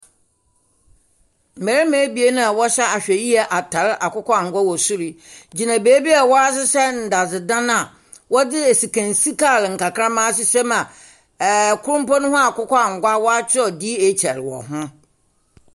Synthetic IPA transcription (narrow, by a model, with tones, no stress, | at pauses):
m̩˨mæ˨ɾe˦mɛ̃˨˦bi˨e˦nã˦a˨wɔ˦ɕɛ˦a˨ɕᶣɛ˨ji˦ɛ˨ʔa˨tʰa˨ɾɪ˦ʔa˨kʊ˦kɔ˦a˨ŋ̩˨ɡʷa˦wɔ˨su˦ɾi˦d͡ʑi˨nã˨beː˨˦bi˦a˨wɔ˦a˦s̬ɪ˦sɛ˦n̩˨da˨zɪ˨dã˦n˦a˨ | wɔ˦dɪ˦e˨si˨kʰã˨nsi˦kʰa˦˨lɪ˨ŋ̩˨ka˨kʰɾã˦mã˦s̬ɪ˨sɛ˦mã˨ | kʰʊ˦ɾʊ̃˦pɔ̃˦nʊ̃˦hʊ̃˦a˨kʊ˦kʰɔ˦a˨ŋ̩˨ɡʷa˦wɔ˦a˦t͡ɕʰᶣɪ˦ɔ˨di˦e˨t͡ɕʰæ˨ɾɪ˨wɔ̰˨ɦʊ̃˦